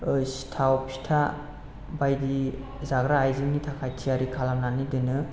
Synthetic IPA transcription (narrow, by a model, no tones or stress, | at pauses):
ɯsi̥tʰawpʰi̥tʰa | bajdi | zaɡɾaːjziŋnitʰakʰajtʰiaɾikʰalamnanidɯnɯ